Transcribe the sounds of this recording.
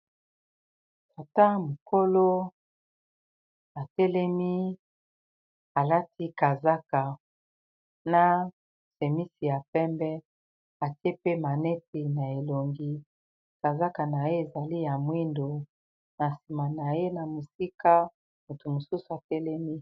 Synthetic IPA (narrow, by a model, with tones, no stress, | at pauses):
ta˨ta˦mo˨ko˦lo˦ | a˨tɛ˦lɛ˦mi˦ | a˨la˦ti˦ka˨za˦ka˨ | na˦ | se˨mi˦si˨ja˨pɛ˦mbɛ˦ | a˨ti˦e˦pe˦ma˨nɛ˦te˨na˨e˨lo˨ŋɡi˦ | ka˨za˦ka˨na˨je˦e˨za˨li˦ja˨mwi˦ndo˨ | na˨si˨ma˨na˨je˦na˨mo˨si˦ka˦ | mu˨tu˨mo˨su˦su˨a˨tɛ˦lɛ˦mi˦